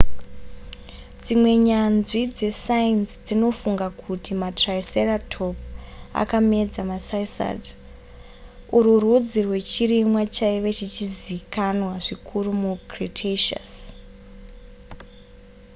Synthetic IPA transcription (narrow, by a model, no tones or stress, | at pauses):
d͡zimwe̞ɲanʐid͡ze̞sainsd͡zino̞fuŋɡakʰutimatraiseratʰo̞pa̰kame̞d͡zamasaisa̰d | uɾurud͡zirwe̞t͡ʃiremwat͡ʃaiʋet͡ʃit͡ʃizikanwaʐikʰurumuɡritʰeʃa̰s